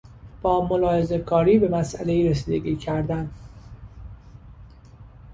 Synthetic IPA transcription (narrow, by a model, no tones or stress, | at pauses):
b̥ɒːmo̞lɒːhe̞ze̞kʰɒːɾiːbe̞mæsʔæle̞iːɾesiːd̪e̞ɡiːcʰæɾd̪æn